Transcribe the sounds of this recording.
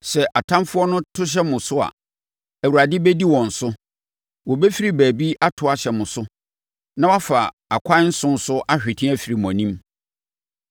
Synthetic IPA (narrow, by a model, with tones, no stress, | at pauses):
sɛ˨ʔa˨tʰã˦mfʊ˦ɔ˦nʊ̃˦tʰʊ˦ɕ̬ɛ˦mʊ̃˨sʊ˦a̰˨ | æ˨wu˨ɾa˨dɪ˦bɛ˦di˦wɔ̃˨n̩˨sʊ˦ | wɔ˨bɛ˦fi˦ɾi˦˨bæː˨bi˦ʔa˦tʰʊ˨a˨ɕɛ˨mʊ̃˨sʊ˦ | nã˦wa˦fa˨ | a˨kʷʰa˦n̩˦sʊ̃˦n̩˦sʊ˦ʔa˦ɕᶣɪ˨tʰĩ˦æ˦fi˨ɾi˨mɔ̃˨nĩ˦m